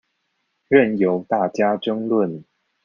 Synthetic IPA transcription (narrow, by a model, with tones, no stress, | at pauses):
ɻə˥˩njo˨˥ʊt̪a˥˩t͡ɕja˥ʈ͡ʂɤ˥ŋlwə˥˨n